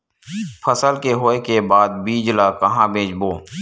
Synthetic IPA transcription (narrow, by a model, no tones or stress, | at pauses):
pʰəsəlkeɦoːekebaːd̪̚biːd͡ʒlaːkɐɦãbʱẽːd͡ʒboː